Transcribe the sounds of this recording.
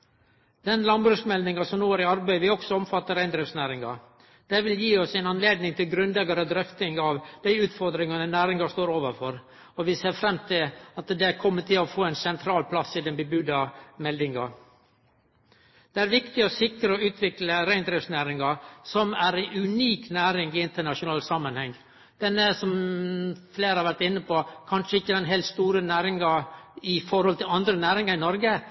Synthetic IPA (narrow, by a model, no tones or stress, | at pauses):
d̪̥ɛnlɑnbɾʉsmɛld̪ɪŋɑsɔmnoːæɾɪɑɾbæɪʋɪɔksɔɔmfɑt̪ːəɾæɪnd̪ɾɛfsnæːɾɪŋɑ | d̪̥ɛʋɪljiːɔsæɪnɑnleːd̪nɪŋt̪ʰɪlɡɾʉnlɛɡɑɾəd̪ɾœft̪ɪŋɑʋd̪̥æɪʉːt̪fɔɾd̪ɾɪŋɑnənæːɾɪŋɑst̪oːɾoːʋəɾfɔɾ | ɔʋɪseːɾfɾɛmt̪ʰɪlɑt̪d̪ɛkʰɔmːət̪ʰɪlɔfoːɛɪnsɛnt̪ʰɾɑːlpʰlɑsːɪd̪ɛnbəbʉd̪ɑmɛld̪ɪŋɑ | d̪̥ɛæɾʋɪkt̪ɪɔsɪkəɾəɔʉːt̪ʰʋɪkləɾæɪnd̪ɾɛfsnæːɾɪŋɑsɔmæɾæʉniːknæːɾɪŋɪɪnt̪əɳɑʂʊnɑːlsɑmːənhɛŋː | d̪̥ɛnːəsɔm | fleːɾhɑɾʋæɾʈ̪ɪnːəpokʰɑnʂəɪçːəd̪ɛnɦɛlt̪st̪uːɾənæːɾɪŋɑɪfɔɾhɔlt̪ʰɪlɑnd̪ɾənæːɾɪŋɑɪnɔɾɡə